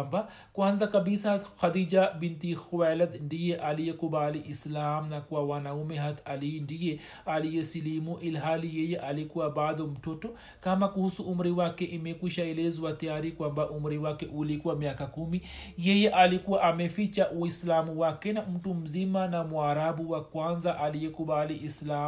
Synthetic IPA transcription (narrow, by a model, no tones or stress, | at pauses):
mba | kwanzakabisaxad̪id͡ʒabintixuwalad̪ndijɛʔalijɛkubaliʔislamnakuwawanaumɛɦat̪alindijɛ | alijɛsilimuʔilɦalijɛjɛʔalikuwabad̪ɔm̩tɔtɔ | kamakuhusuʔum̩ɾiwakɛʔimɛkwiʃaɛlɛzwatajaɾikwambaʔum̩ɾiwakɛʔulikuwamiakakumijɛjɛʔalikuwaʔamɛfit͡ʃaʔuislamuwakɛnam̩tum̩zimanamwaɾaɓuwakwanzaʔalijɛkuɓaliʔislam